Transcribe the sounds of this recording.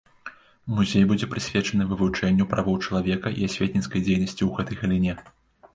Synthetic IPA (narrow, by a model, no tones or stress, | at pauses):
muzʲejbud͡zʲɛpɾɨsʲvʲɛt͡ʂɐnɨvɨvut͡ʂɛnʲːupɾavɐwt͡ʂɐlˠavʲɛkɐʔḭasʲvʲet̪̚ʲnʲit̪skɐjd͡zʲejnɐsʲt͡sʲiwɣɛt̪ɐjɣɐlʲinʲɛ